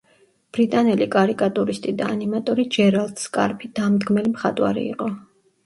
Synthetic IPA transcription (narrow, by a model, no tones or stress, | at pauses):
b̥ɾit̪ʼanɛlikʼaɾikʼat̪ʼuɾist̪ʼid̪aːnimat̪ʼɔɾid͡ʒɛɾalˠd̪skʼa̰ɾpʰid̪̥amd̪ɡmɛlimχat̪ʼwaɾḭḭqʼɔ